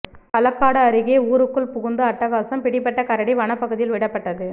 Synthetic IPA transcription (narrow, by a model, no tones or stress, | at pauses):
kɐlɐkːaːɽɐːɾɯɣeːuːɾɯkːɯɭpʊɣɯnd̪ɯɐʈːɐɣaːsɐmpɪɽɪpːɐʈːɐkɐɾɐɽiʋɐɳɐpːɐɣɯðɪjɪlʋɪɽɐpːɐʈːɐðɯ